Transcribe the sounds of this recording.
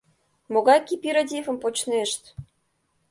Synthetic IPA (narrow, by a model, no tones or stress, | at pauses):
moɣɑjkipʲiɾod̪ʲifə̆mpot͡ɕneʃt̪